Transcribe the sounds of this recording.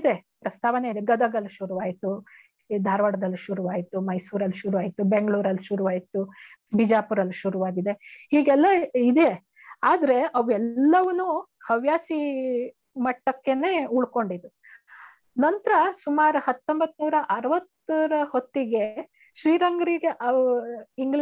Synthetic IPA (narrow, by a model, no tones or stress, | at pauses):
d̪e̞pɾɐst̪ʰaːʋɐne̞id̪eɡɐd̪ɐɡɐlːuʃuɾuʋaːɡit̪u | d̪ʱaːɾʋɐɽɐd̪ɐlːiʃuɾuʋaːɡit̪ːumɐjsuːɾɐlːiʃuɾuʋaːɡit̪ːubeŋɡɭuːɾɐlːiʃuɾuʋaːjit̪ːubʱid͡ʒaːpuɾɐlːiʃuɾuʋaːɡid̪e̞hiːɡɛlːɐid̪e̞ | aːd̪ɐɾe̞ʔɐʋɛlːɐʋɐnuhɐʋjaːsi | mɐʈːɐkːe̞ne̞ːuɭko̞ɳɖid̪ːu | nɐnt̪ɾɐsumaːɾuhɐt̪ːo̞mbɐt̪ːnuːɾɐʔɐɾɐʋɐt̪ːɐɾɐho̞t̪ːiɡe̞ | ʃɾiːɾɐŋɡɐɾiɡe̞ʔɐiŋɡi